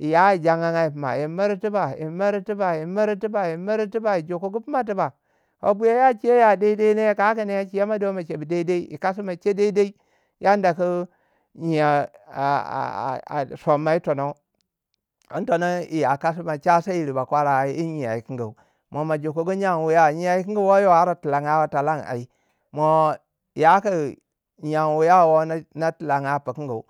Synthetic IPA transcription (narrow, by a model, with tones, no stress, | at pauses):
i˨ja˦i˨d͡ʒa˦ŋa˦ŋa˦i˨pi˨ma̰˨ji˨˦ma˦ɾi˦ti˦ba˨jḭ˨˦ma˦ɾi˦ti˦ba˨ji˨˦ma˦ɾi˦ti˦ba˨ji˨˦ma˦ɾi˦ti˦ba˨i˨d͡ʒo˨ko˦ɡu˦pi˦ma˦t̬i˦ba˨ | ko̰˦bu˦ja˦ja˦t͡ʃi˦je˦ja˨de˦i˦de˦i˦ne˦ka˦ka˦ne˦ja˦t͡ʃi˦ja˦ma˦do˦ma˨t͡ʃe˨bi˨de˦i˦de˦i˦ḭ˨ka˦s̬i˦ma˨t͡ʃe˦de˦i˦de˦i˦ | ja˦n˦da˨ku˦ | ɲi˨ja˨a̰˨a̰˨so˨mːa˨˦i˦to˨no˦ | i˦n˦to˨no˦i˨ja˨ka˦s̬i˦ma˨t͡ʃa˦sa˦i˨ɾi˨ba˨kʷa˦ɾa˨i˦i˦ɲi˨a˨i˨ki˦ŋɡa˨u˨ | mo˨ma˨d͡ʒo˨ko˨ɡu˦ɲa˦˨nwu˨ja˦˨ɲi˦a˨i˦k̬i˦ŋɡa˦wo˦jo˦a˦ɾa˨ti˨la˨ŋa˦wa˨ta˨la˦˨ŋa̰˨i˨ | mo˨ | ja˦ka˦ | ɲ˨a˨ŋwu˨ja˦˨wo˦n˦na˦ti˨la˨ŋa˨˦˨pa˨ki˦ŋɡa̰˨u˨